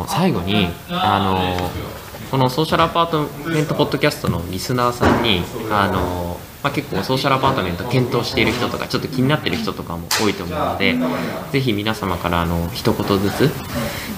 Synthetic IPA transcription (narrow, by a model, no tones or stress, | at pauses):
saiɡo̞ɲ̟iano̞ | ko̞no̞so̞ːɕaɾɯ̟apaːt̪omẽ̞nt̪o̞po̞d̪ːo̞kʲasɨ̥t̪o̞no̞ɾʲisɨnaːsãɲ̟ːiano̞ | make̞kːo̞ːso̞ːɕaɾɯ̟apaːt̪o̞mẽ̞nt̪o̥kẽ̞nt̪o̞ːɕi̥t̪e̞iɾɯ̟çi̥t̪o̞t̪o̞ka̰t͡ɕo̞t̪ːo̞kʲiɲ̟inat̪ːe̞ɾɯ̟çi̥t̪ot̪o̞kamo̞̰o̞ːit̪o̞ːmo̞ɯ̟no̞d̪e̞d͡ze̞ç̬imʲinasamakaɾaːno̞çi̥t̪o̞ko̞t̪o̞zɨt͡sɨ